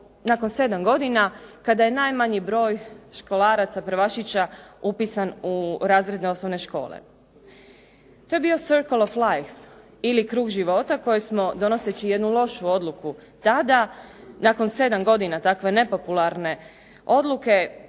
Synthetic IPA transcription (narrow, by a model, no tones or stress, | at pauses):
nako̞nse̞d̪amɡo̞d̪inakad̪aje̞najmaɲibɾo̞ːjʃko̞lˠaːɾat̪sapɾʋaʃit͡ɕaupisanuɾaːzɾed̪neo̞snoʋne̞ʃko̞̰ːlḛ | t̪o̞je̞bio̞seɾkolˠoflˠajf | ilikɾuːɡʒiʋo̞ːt̪ako̞jesmo̞d̪o̞no̞set͡ɕije̞d̪nulˠo̞ʃuo̞d̪lˠukut̪ad̪anako̞nse̞d̪amɡo̞d̪inat̪akʋe̞ne̞po̞pulˠaɾne̞ | o̞d̪luke̞